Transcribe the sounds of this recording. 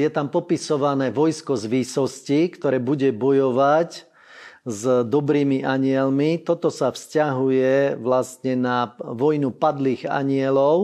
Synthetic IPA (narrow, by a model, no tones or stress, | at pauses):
jɛt̪ampɔpisɔʋanɛːʋɔjskɔzʋisɔscikt̪ɔɾɛːbuɟɛbɔjɔʋac | zd̪ɔbɾiːmiʔaɲɪɛlmit̪ɔt̪ɔsafscaɦujɛʋlast̪ɲɛnaʋɔjnupad̪liːɣa̰ɲɪɛlɔʊ